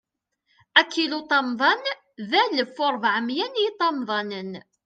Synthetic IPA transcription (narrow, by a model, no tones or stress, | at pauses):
ækːilut̪ˤɑmðˤɑn | ðæləfːʊɾˤvʕəmjænjit̪ˤɑmðˤɑnən